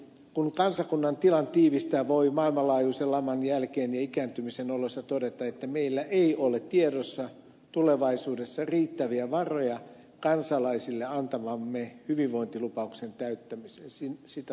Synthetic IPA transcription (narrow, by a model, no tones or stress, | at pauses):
kunkɑnsɑkunːɑnt̪ilɑnt̪iːʋist̪æːʋoimɑːilmɑlɑːjuːselɑmɑnjælkeːnjɑikæːnt̪ymisenolosːɑt̪odet̪ɑet̪ːæmeilːæʔeiolett̪iedosːɑ | t̪uleʋɑisuːdesːɑriːt̪ːæʋiæʋɑrojɑ | kɑnsɑlɑisilːeɑnt̪ɑmɑmːehyʋiʋʋo̞int̪ilupɑuksent̪æyt̪ːæmisensinsit̪æ